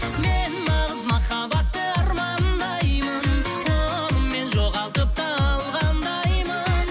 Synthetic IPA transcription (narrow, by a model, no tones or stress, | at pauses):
me̞nmɑʁəzmɑχɑbɑt̪ːəɑɾmɑnnd̪ɑjmənkʰo | əmːe̞nʒoʁɑlˠt̪əp̚t̪əɑlˠʁɑnd̪ɑjmən